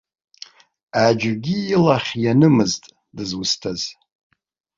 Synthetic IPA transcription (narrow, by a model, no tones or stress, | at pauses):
ad͡ʒɡʲiːlaχʲjanɨmɨztʼ | dɨzwʊstʰaz̥